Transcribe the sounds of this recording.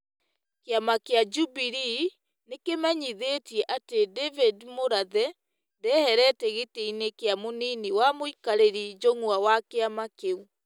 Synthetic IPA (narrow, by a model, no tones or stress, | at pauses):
keamakead͡ʒubiɾi | nekemɛɲiðetiɛʔatedɛvidmoɾaðɛ | ndɛhɛɾɛteɣeteinekeamoniniwamoikaɾeɾid͡ʒoŋwawakeamakeu